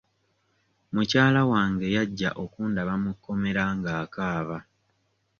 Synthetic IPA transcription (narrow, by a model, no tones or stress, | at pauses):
mucaːlawaːŋɡe̞jaɟːa̰ʔo̞kuːndaβamukːo̞me̞ɾaŋɡaːkaːβa